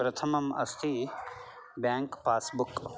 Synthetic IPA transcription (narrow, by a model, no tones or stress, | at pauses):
pɾɐt̪ʰɐmɐmɐ̰st̪ʰi | bjaːŋkpaːsbuk